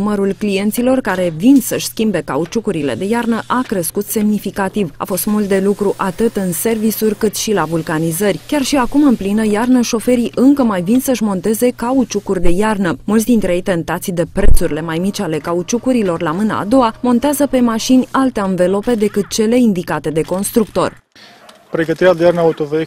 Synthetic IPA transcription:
məɾulklije̞nt̪silo̞rkaɾe̞vinsəʃʲskʲimbe̞kaut͡ʃukuɾile̞̰d̪e̞jarnəʔakɾeskut̪se̞mnifikat̪iva̰fo̞st̪mult̪̚d̪e̞lukɾuʔat̪ɨt̪ɨnse̞rvisurʲkɨt̪ʃilavulkanizərʲkʲarʃiakumɨnplinəjarnəʃo̞fe̞ɾiʔɨŋkəmajvinsəɨʃmo̞nt̪e̞ze̞kaut͡ʃukurʲd̪e̞jarnəmult̪sʲd̪int̪ɾeejt̪e̞nt̪at̪sʲd̪e̞pɾe̞t̪suɾʲile̞majmit͡ʃʲale̞kaut͡ʃukuɾilo̞rlamɨna̰ːd̪o̞wamo̞nt̪eazəpe̞maʃinʲalt̪eaɨnve̞lo̞pe̞d̪e̞kɨt̪̚t͡ʃe̞le̞ind̪ikat̪e̞d̪e̞ko̞nst̪ɾukt̪o̞̰r | pɾe̞ɡət̪iɾead̪ejarnəaut̪ove

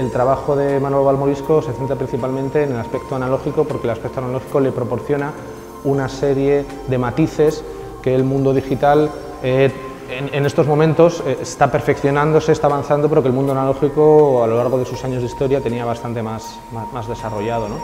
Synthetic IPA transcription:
e̞lt̪ɾaβ̞axo̞ðe̞manoloβalmoɾisko̞se̞θent̪ɾapɾin̟θipalmẽ̞nt̪e̞ːne̞laspe̞kt̪oanalo̞xiko̞po̞ɾkelaspek̚t̪oanaloxi̥ko̞le̞pɾo̞po̞ɾθjo̞na | unase̞ɾje̞ | ðe̞mat̪iθe̞s | ke̞ːlmũnd̪o̞ð̞ixit̪al | e | enene̞st̪o̞zmõ̞mẽnt̪o̞seest̪ape̞ɾfe̞kθjo̞nãnd̪o̞seːst̪aːβanθand̪o̞peɾokelmũnd̪oanalo̞xiko̞alo̞laɾɣ̞o̞ð̞e̞susaɲo̞zðist̪o̞ɾjat̪e̞niaβast̪ant̪e̞mas | mamazðe̞saro̞ʝað̞o̞no̞

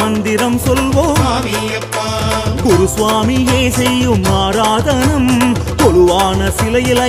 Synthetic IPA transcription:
ɐnd̪ɪɾɐmsɔlʋoːm | ɡʊɾʊsʋaːmijeːsɛjːɯmaːɾaːðɐnɐm | t̪ɔlʊʋaːnɐsɪlɐjɪlɐ

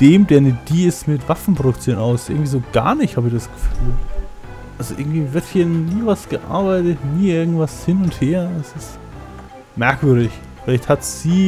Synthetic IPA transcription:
d̥eːmdeːɐnəd̥iːɪstmɪtv̥afn̩pʁ̥oɾʊk̚t͡sjoːnaʊssʔʔɪɐɡŋ̩tv̥iːzoːɡ̥a̰ːɐnɪçthaːbɪçd̥asɡ̥ə̥fyːl | ʔalzoʔɪ̰ɐɡŋ̩tv̥iːvɪɐthiːɐniːvasɡ̥əʔa̰ɐbaɪtətniːʔɪɐɡŋ̩tv̥ashɪnʊntheːɐɛsɪst | mɛɐkv̥ʏɐɾɪç | fɪlaɪçthatz̥iː

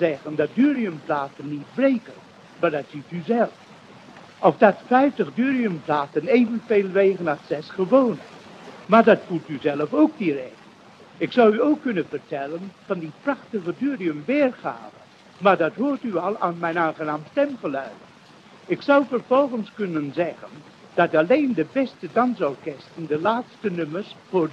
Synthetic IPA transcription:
zɛχəndɑt̚dyːriəmplaːtənːit̚brejkən | maːɹdɑtsityzɛlˠf | ʔɔfdɑtfɛjftəχdyːriəmplaːtəneːvənveːlˠʋeːɣənatsɛsχəʋownə | maːɹdɑtfulˠtyzɛlˠəfowk̚dirɛk | ɪksʌwyowkːɵnənvəɹtɛlənv̥ɑndiprɑχtəχədyːriəmʋɪːrχa̰ːvə | maːɹdɑtɦʊːɹtyɑlˠa̰ːnmɛjnaːnχənaːmstɛmχəlœɥdə | ɪksʌwvəɹv̥ɔlˠχənskɵnənzɛχən | d̥ɑtɑlejndəbɛstədɑnzawkɛstəndəlaːtstənɵməɹsfʊːɹ

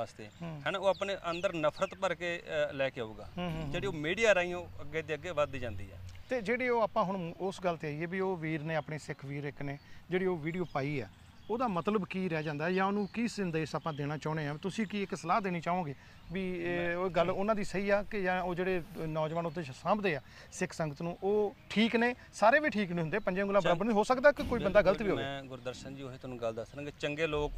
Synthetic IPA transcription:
aːst̪ḛːɦːhɛːnaːoːapneːʔənd̪əɾnəpʰɾət̪pəɾkeːlɛːkeauːɡa̰ːɦːɦd͡ʒeːɽiːoːmiːɖijaːɾaːĩoːəɡeːd̪eːəɡeːʋəd̪id͡ʒãːnd̪ḭːɛ̰ːt̪eːd͡ʒeːɽeːoːaːpãːɦʊɳːʔʊsɡəlt̪eːaːiːɛːbiːoːʋiːɾnẽːaːpɳeːsɪkʰʋiːɾɪkneːd͡ʒeːɽiːoːʋiːɖijoːpaːiːɛ̰ː | oːd̪aːmət̪ləbkiːɾɛːd͡ʒãːnd̪aːɛjãːonũːkiːsɪ̃nd̪saːpãːd̪eːɽ̃aːt͡ʃaːʊneːãːit̪ʊsĩːkiːɪksəlaːd̪eːñiːt͡ʃaːõːɡeː | ʋiːɡəlʊnãːd̪iːsəiːaːkɪjãːoːd͡ʒeːɽeːnɔːd͡ʒʋaːnʊt̪ʰːeːsãːmbd̪eːaː | sɪkʰsəŋɡət̪nũːʔoːʈʰiːkneː | saːɾeːʋiːʈʰiːknĩːɦʊnd̪eːpəɲd͡ʒ̃ɡʊlːãːbəɾaːbəɾɦoːsəkd̪aːkɪkoːiːbənd̪aːɡələt̪ʋiːɦoːẽːɡʊɾd̪əɾʃənd͡ʒiːoeːt̪ʊnũːɡəld̪əsɾãːɡeːt͡ʃəŋɡeːloːk

